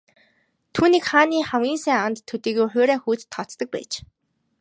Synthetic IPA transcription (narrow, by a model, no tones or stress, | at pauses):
t̪ʰuːniːkχaːniːχamɡʲiːnsæːant̪ʰːɵt̪iːɣujχʊːɾæːxuːt͡st̪ʰːɔt͡st̪ə̆k̚pæ̰ːt͡ɕ